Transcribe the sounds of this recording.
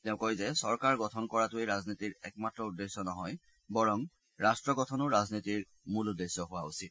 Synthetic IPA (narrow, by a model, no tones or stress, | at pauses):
tɛʊ̃kɔjzɛsɔɹkaɹɡɔtʰɔnkɔɹatʊeɹaznitiɹɛ̰kmatɹɔudesɔnɔɦɔj | bɔɹɔm | ɹastɹɔɡɔtʰɔnʊɹaznitiɹ | muludesɔɦʊwausit̚